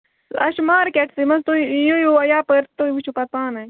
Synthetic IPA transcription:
ɐ̰ʃmaːɾkeʈsimɐst̪ojojoɐjaːpəɾt̪oʋut͡ʃʰupɐt̪̚paːnɐj

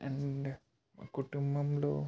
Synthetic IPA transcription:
ɛ̃ɳɖ | kuʈːumbɐmloː

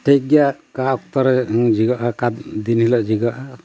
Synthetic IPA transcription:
ʈʰeɡijaʔkaɔk̚t̪ɔɾɛd͡ʒiɡaʔakat̪d̪inhilaʔd͡ʒiɡaʔa

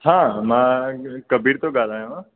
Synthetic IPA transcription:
ɦãːmãkəbʱiːɾt̪oɡaːlaːjõɦãː

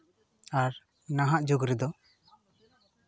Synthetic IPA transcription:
aɾ | naɦaʔd͡ʒuɡɾɛd̪ɔ

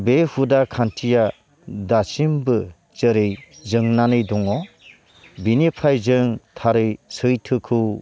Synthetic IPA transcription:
behudakʰantʰija | dasimbɯ | t͡ʃɯɾɯjzɯŋnanɯjdɔŋɔ | binipʰajzɯŋtʰaɾɯjsɯjtʰɯkʰɯw

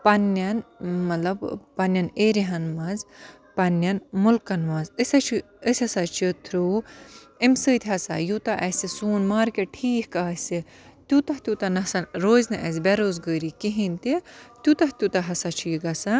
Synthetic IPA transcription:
pɐnːɐnmɐlɐbpɐnjɐneːɾiɦɐnmɐz | pɐnːɐnmulkɐnʋɐzəsʲɐt͡ʃʰi | əsʲɐsat͡ʃʰit̪ʰɾʲuː | imsɨːt̪ʲɦɐsa̰jut̪ɐʔɐsisuːnmaːɾkeʈʰiːhkaːsi | t̪ʲut̪ɐht̪ʲut̪ɐnɐsɐnɾoːznɨʔɐsbeɾoːzɡəːɾikiɦint̪it̪ʲut̪ɐht̪ʲut̪ɐɦɐsat͡ʃʰiiɡɐsɐ

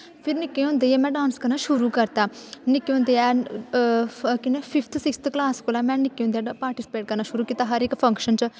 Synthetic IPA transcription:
pʰiɾnikːeũnd̪ejemɛ̃ːɖaːnskɐɾnaʃuɾukɐɾt̪anikːeũnd̪eɛ | kinepʰifʰt̪ʰusikst̪ʰklaːskolɛːmɛ̃ːnikːẽõnd̪eɛpaːɾʈisi̥peːʈ̚kɐɾnaʃuɾuːkiːt̪aɦɐɾekfʰɐ̃ŋkʃənt͡ʃ

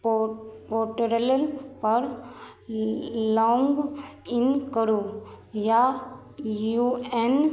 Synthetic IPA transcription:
poʈəɾeləlpəɾ | lɔ̃ŋɡɪnkəɾu | ja | juen

